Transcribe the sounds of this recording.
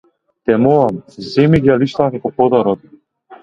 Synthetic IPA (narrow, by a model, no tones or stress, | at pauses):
t̪ɛmɔamzɛmiɡaliʃt̪akakɔpɔd̪aɾɔt̪